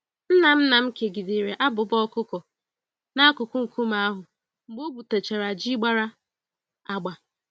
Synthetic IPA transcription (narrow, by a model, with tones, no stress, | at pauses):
n̩˦na˨m̩˦na˨m̩˦ke˨ɡi˨di˨ɾe˨ʔa˦bʊ˨bɔ˦kʊ˦kɔ˨ | na˦a˦kʊ˨kʊ˦ŋ̩˨kʰu˦ma˦a˦ɦʊ˨ | ŋ͡m̩˨ɡ͡bo˦bu˨te˨t͡ʃe˨ɾa˨d͡ʒi˦ɡ͡ba˦ɾa˦ | a˨ɡ͡ba˨